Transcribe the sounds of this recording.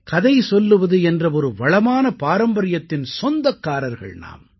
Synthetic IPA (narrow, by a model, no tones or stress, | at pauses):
kɐðɐɪsɔlːɯʋɐðɯɛndrɐɔɾɯʋɐɭɐmaːnɐpaːɾɐmbɐɾɪjɐt̪ːɪnsɔnd̪ɐkːaːɾɐɾɣɐ̰ɭna̰ːm